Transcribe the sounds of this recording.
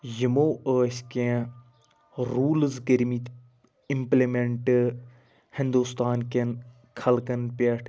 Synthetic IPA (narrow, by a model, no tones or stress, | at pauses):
jimoːəːskẽ | ɾuːlzkəɾmit̪ | ɪmplemeɳʈ | hɪ̃nd̪ust̪aːnken | kʰɐlkənpeʈʰ